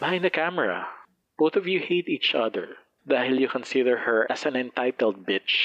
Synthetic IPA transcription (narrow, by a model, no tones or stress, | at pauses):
b̥ɪhãɪ̃nd̪ɐkæmɛɹa̰ | b̥oʊθɔvjuheɪt̪iːt͡ʃʌðəɹ | ðahɪlˠjukɔ̃nsɪd̪əɹhɛɹʔæsãnɛ̃nt̪aɪt̪ɛlˠd̪̚bɪt͡ʃ